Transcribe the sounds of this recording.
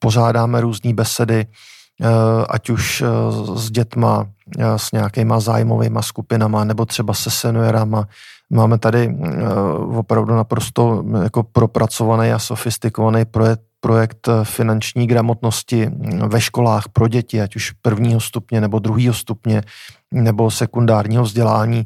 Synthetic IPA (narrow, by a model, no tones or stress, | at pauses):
po̞ʒ̝aːdaːmɛɾuːzɲiːbɛsɛdɪ | ʔa̰cuʃzɟɛt̪ma̰sɲɛakɪmaza̰ːjmo̞vḛjmaskupɪnamanɛbo̞t̪r̝̥ɛbasɛsɛnuɛɾamamaːmɛt̪adɪ | vo̞pɾavdunapɾo̞st̪o̞jako̞pɾo̞pɾat͡so̞vanɛjaso̞fɪst̪ɪko̞vanɛjpo | pɾo̞jɛkt̪fɪnant͡ʃɲiːɡɾamo̞t̪no̞scɪvɛʃko̞laːxpɾo̞ɟɛcɪacuʃpr̩vɲiːɦo̞st̪upɲɛnɛbo̞d̪ɾuɦiːɦo̞st̪upɲɛ | nɛbo̞sɛkundaːɾɲiːɦovzɟɛlaːɲiː